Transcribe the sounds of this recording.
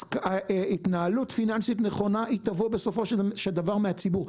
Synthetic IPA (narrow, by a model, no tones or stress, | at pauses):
aitnaalutfinansit̪neχo̞naʔit̪avobe̞so̞fo̞ʃʃeld̪avaʁmeat͡sibuʁ